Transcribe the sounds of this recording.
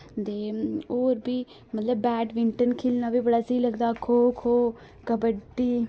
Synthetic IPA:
t̪eːoːɾbiː | mət̪ləbːɛːɖʋɪɳʈənkʰɪlnaːbʱiːbəɽaːsəiləɡd̪aːkʰoːkʰoː | kəbəʈːiː

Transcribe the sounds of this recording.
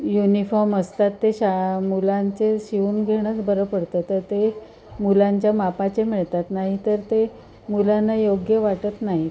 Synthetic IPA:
junifɔɾməst̪at̪ːeɕamulant͡seɕiʋuːnɡʱeɽ̃ət͡sbəɾəpəɽt̪ət̪əɾt̪e | mulaɲt͡ɕjamapat͡ɕemiɭt̪at̪naɦit̪əɾt̪e | mulanːajoɡjəʋaʈət̪naɦi

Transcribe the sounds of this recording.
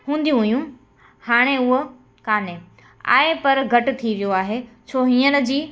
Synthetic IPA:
ɦũːnd̪ijũɦʊjũ | haːɽ̃eʊɦo | kaːne | a̰ːepɐɾɡʱɐʈʊt̪ʰiʋijoaːɦet͡ɕʰoːɦĩːənə̆d͡ʑiː

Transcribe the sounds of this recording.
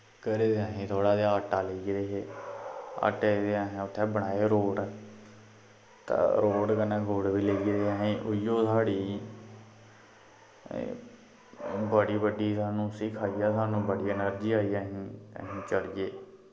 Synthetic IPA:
kəɾeːd̪eːaːɦĩːt̪ʰoːɽaːd̪aːəʈːaːleːɡd̪eːɦeː | a̰ːʈed̪eːaːɦẽːʊt̪ʰːɛ̃ːbəɳ̃aːeːɾoːɽ | t̪a̰ːɾoːɖkənɛ̃ːɡʱoːɽʋiːleːɡd̪eːaːɦẽːʔʊjõːsʰaːɽiː | bəɽiːbəɖiːsaːnũːsiːkʰaːiːaːsaːnũːbəɽiːɛːnəɾd͡ʒiːaːiːaːɦĩːə̰ɦĩːt͡ʃəlɪjeː

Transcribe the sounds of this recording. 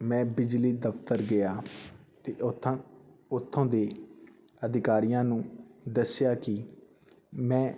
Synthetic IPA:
mɛ̃ːbɪd͡ʒliːd̪əpt̪əɾɡɪjaːt̪eː | ʊt̪ʰːõːd̪eː | əd̪ɪkaːɾijãːnũːd̪əsɪjaːkɪ | mɛ̃ː

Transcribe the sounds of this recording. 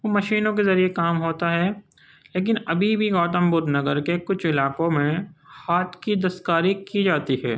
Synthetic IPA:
ʋoːmɐʃiːnõk̬ezɐɾiekaːmɦoːt̪aɦɛː | leːk̬ɪnɐbʱibʱiɣɔːt̪ə̃mbʊd̪nɐɡəɾkekʊt͡ʃʰɪlaːkõmẽhaːt̪ʰkid̪ɐst̪kaːɾikid͡ʒaːt̪iɦɛ̰ː

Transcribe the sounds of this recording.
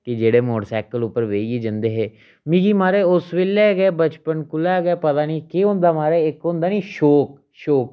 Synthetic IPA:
kɪd͡ʒeːɽeːmoːɽsɛːkəlʊpːəɾʋeːiɡeːd͡ʒənd̪eːɦeː | miːɡiːmaːɾeːʊsʋɪlːɛːɡɛːbət͡ʃpənkʊlɛːɡɛːpət̪aːniːkeɦõnd̪aːmaːɾeːɪkɦʊ̃nd̪aːniːʃoːk̚ | ʃoːk

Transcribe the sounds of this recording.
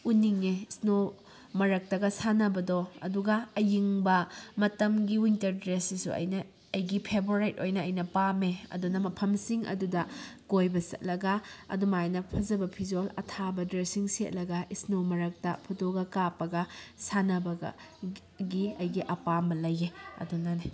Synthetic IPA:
uniŋeisno | mɐɾɐk̚tɐɡɐsanɐbɐdɔɐ̰duɡɐːjiŋbɐmɐtɐmɡiwintɐɾdɾesisṵɐ̰jnɐː | jɡipʰeboɾajtojnɐːjnɐpameɐ̰dunɐmɐpʰɐmsiŋɐ̰dudɐkojbɐsɐ̰t̚lɐɡɐɐ̰dumajnɐpʰɐzɐbɐpʰizolɐ̰tʰabɐdɾesiŋsḛt̚lɐɡɐʔisnomɐɾɐk̚tɐpʰutoɡɐkapɐɡɐsanɐbɐɡɐ̰ | ɡiɐjɡiʔɐpambɐlɐjeɐ̰dunɐne

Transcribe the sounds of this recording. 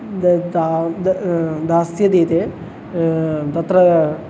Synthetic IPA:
d̪ad̪d̪aːsjɐd̪iːt̪e | t̪ɐt̪ɾɐ

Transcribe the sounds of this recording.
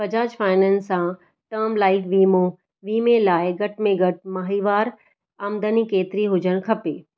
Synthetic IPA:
pɐd͡ʑaːd͡ʑfaːɪnənsã | ʈəːɾmlaːɪʈʋiːmo | ʋiːmelaːeɡɐʈ̚ʰmẽɡɐʈ̚ʰmaɦiːʋaːɾ | amd̪ənikeːt̪ɾiɦʊd͡ʑənkʰɐpeː

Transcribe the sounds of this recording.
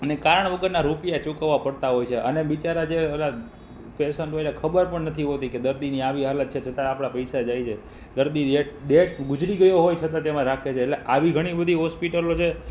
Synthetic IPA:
ənekaɾəɳ̃ʋəɡəɾnaɾupijat͡ʃukəʋːapəɽt̪aɦojt͡ʃʰeʔə̰neʋit͡ʃaɾad͡ʒela | pesəɳʈɦoilakʰəbəɾpəɳnət̪ʰiɦot̪iked̪əɾd̪iniaʋiɦalət̪̚t͡ʃʰet͡ʃʰət̪ãapɽ̃apəjsad͡ʒajt͡ʃʰe | d̪əɾd̪iɗeʈ̚ɖeʈ̚ɡʊd͡ʒɾiɡəjoɦojt͡ʃʰət̪ãt̪emãɾakʰet͡ʃʰeːʈleʔaʋiɡʱəɽ̃ibəd̪ʱiɦɔspiʈəlot͡ʃʰe

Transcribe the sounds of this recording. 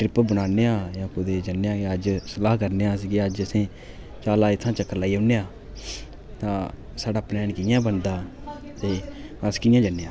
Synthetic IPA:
ʈɾɪpbəɽaːneːãːjãːkʊd̪eːd͡ʒənːeːãːeəd͡ʒsəlaːɦkəɾneːãːs̬iːɡeːəd͡ʒəsĩː | t͡ʃaːlaːɪt̪ʰːãːt͡ʃəkːəɾlaːiːõːnːeːaː | t̪ãː | saːɖaːplɛːnkiːjãːbənd̪aː | t̪eː | əskiːjãːd͡ʒənːeːãː

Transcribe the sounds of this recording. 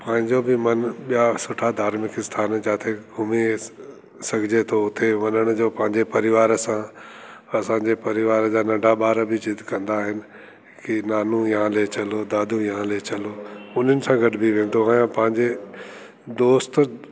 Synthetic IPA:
pɐ̃ɦɪ̃ɲd͡ʑobɪmɐnɓijasʊʈʰad̪ʱaːɾmɪkɪst̪ʰaːnd͡ʑaːt̪ʰeɡʊme | sɐɡʱɪd͡ʑet̪ʰoʊt̪ʰeʋɐnəɽ̃ʊd͡ʑoːpɐ̃ɦɪ̃ɲd͡ʑepɐɾɪʋaːɾsã | ɐsãːɲd͡ʑepɐɾɪʋaːɾd͡ʑaːnɐ̃ɳɖʱaɓaːɾbɪd͡ʑɪd̪ʱkɐ̃nd̪aɦɪnɪ̆ | kinaːnujɦãlet͡ɕɐlod̪aːd̪ʱujɦãlet͡ɕɐloːʊn̤ənɪ̆sãɡɐʈbiʋẽːn̆d̪oãjãpɐ̃ɦɪ̃ɲd͡ʑe | d̪oːst̪

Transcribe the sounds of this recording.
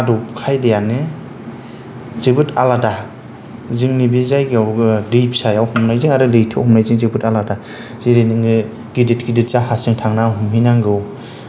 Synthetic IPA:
adɔpkʰajdejanɯ | zibɯtʰalada | ziŋnibizajɡawɡdijpsajawhumnajzɯŋaɾɯlɯjtʰɯwhumnajzɯŋzibɯtalada | z̥iɾeniŋɯ | ɡiditɡidit̚z̥ahasɯŋtʰaŋnaɦumɦinaŋɡɯw

